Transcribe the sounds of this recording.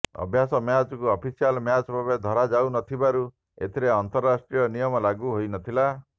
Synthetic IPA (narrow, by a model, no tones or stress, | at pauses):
ɔ̰bʱjasɔmjat͡ʃɔkuɔpʰisialmjat͡ʃbʱabed̪ʱɔɾad͡ʒawnɔt̪ʰibaɾu | ḛt̪ʰiɾeɔnt̪ɔɾːasʈɾijɔnijɔmɔlaɡuɦojnɔt̪ʰila